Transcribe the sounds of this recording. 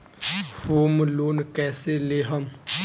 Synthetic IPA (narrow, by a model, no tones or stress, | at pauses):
foːmloːnkɛːseleɦəm